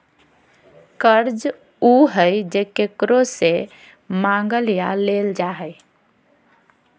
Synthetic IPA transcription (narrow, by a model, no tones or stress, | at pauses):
kəɾd͡ʒ | uɦəjd͡ʒekekɾose | maŋɡəlija̰leld͡ʒaɦəj